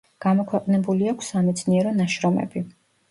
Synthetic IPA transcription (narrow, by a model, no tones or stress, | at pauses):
ɡ̥amɔkʰwɛqʼnɛbuliakʷʰsːamɛt̪sʰniɛɾɔnaʃɾɔmɛ̰bi